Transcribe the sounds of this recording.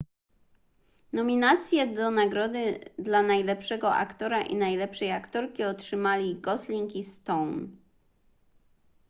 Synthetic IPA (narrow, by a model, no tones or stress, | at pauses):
nɔmʲinat̪sʲjɛd̪ɔnaɡɾɔd̪ɘd̪lanajlɛpʂɛɡɔʔa̰kt̪ɔɾaʔḭnajlɛpʂɛjakt̪ɔɾkʲiɔtʂɘmalʲiɡɔslʲiŋkist̪ɔwn